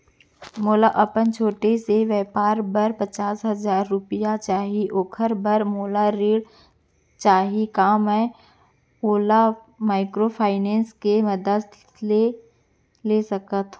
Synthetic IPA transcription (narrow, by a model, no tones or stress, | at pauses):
moːlaʔɐpənt͡ʃʰoːʈeseʋɛːpaːɾbəɾpət͡ʃaːsɦɐzaːɾːʊpɪjat͡ʃaːɦiʔoːkʰəɾbəɾmoːlaɾeːɽ | t͡ʃaːɦikaːmɛ̃ː | oːla | maːɪkɾopʰaːɪnẽːnskeməd̪əst̪t̪le | lesəkət̪ː